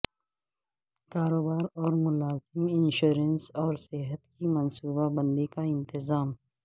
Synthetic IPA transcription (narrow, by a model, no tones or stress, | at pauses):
kaːɾoːbaːɾɔːɾmʊlaːzɪmɪnʃuːɾənsɔːɾsɪɦət̪kimɐnsuːbabɐ̃nd̪ikaɪ̃nt̪ɪzaːm